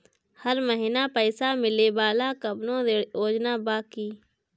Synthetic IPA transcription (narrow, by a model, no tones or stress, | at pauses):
həɾməɦɪnapəːsamɪlebaːlakɐbnõeoːd͡ʒnabaːkiː